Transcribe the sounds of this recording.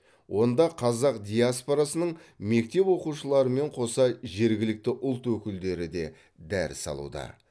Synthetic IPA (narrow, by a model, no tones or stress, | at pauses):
wʔo̞nd̪ɑqʰɑzɑqd̪ʲijaspo̞ɾasənəɴme̞k̚t̪e̞pwo̞quʃəlˠɑɾəme̞ɴqʰo̞sɑʒe̞ɾɡʲɪlɪk̚t̪ɪʔʊlˠt̪wɵkʲɪld̪e̞ɾɪd̪e̞ | d̪æɾɪ̰sɑ̰lˠṵd̪ɑ̰